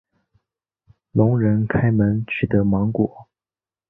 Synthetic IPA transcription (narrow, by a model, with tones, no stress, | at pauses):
lʊ˧˥ŋɻə˧˥nkʰa˥ɪmə˧˥nt͡ɕʰy˨˩t̪ə˧˥mɑ˧˥ŋkwɔ˨˩˦